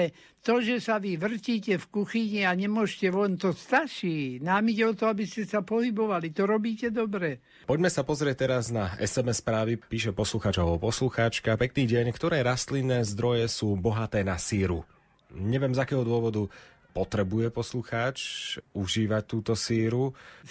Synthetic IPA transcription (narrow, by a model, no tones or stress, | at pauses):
ɛ | t̪ɔʒɛsaʋiʋr̩ciːcɛfkuxiɲiaɲɛmʊɔʃcɛʋɔnt̪ɔst̪aʃiːnamicɛɔt̪ɔabiscɛsapɔɦibɔʋalit̪ɔɾɔbiːcɛd̪ɔbɾɛ | pɔɟmɛsapɔzɾɪɛc̚t̪ɛɾaznaɛ̰sɛmɛsːpɾaːʋipiːʃɛpɔsluxaːt͡ʃaɔpɔsluxaːt͡ʃkapɛk̚niːɟɪɛɲkt̪ɔɾɛːɾast̪linːɛːzd̪ɾɔjɛsuːbɔɦat̪ɛːnasiːɾu | ɲɛʋɪɛmzakɛːɦɔd̪ʊɔʋɔd̪u | pɔt̪ɾɛbujɛpɔsluxaːt͡ʃuʒiːʋac̚t̪ːuːt̪ɔsiːɾu